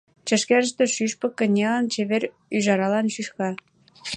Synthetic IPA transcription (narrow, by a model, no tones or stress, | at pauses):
t͡ɕə̆ʃkæɾəʃt̪ĕʃyʃpɤ̆kːə̆nʲelɑnt͡ɕeβeɾ | yʒɑɾɑlɑnʃyʃkɑ